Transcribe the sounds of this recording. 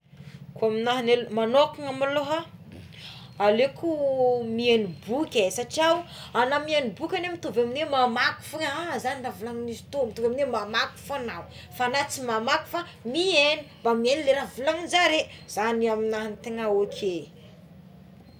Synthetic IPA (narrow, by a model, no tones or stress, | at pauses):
kuaminaɦinelmanokuŋamaloɦa | alekʰumienibukʲesaʈ͡ʂiaw | anamienibukʲanemit̪ovaminwemamaku̥fuŋazanilavulaŋinizi̥t̪omit̪uvaminwemamaku̥fanaw | fanat͡simamaku̥fa | mienimbamienileɾavulaŋind͡ʒaɾez̥aniaminaɦinit̪eŋaokʲʰe